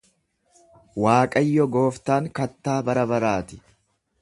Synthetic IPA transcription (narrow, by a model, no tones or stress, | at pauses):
waːkʼɐjːɔɡo̞ːft̪aːŋkɐt̪ːaːbɐɾɐbɐɾaːt̪ɪ̥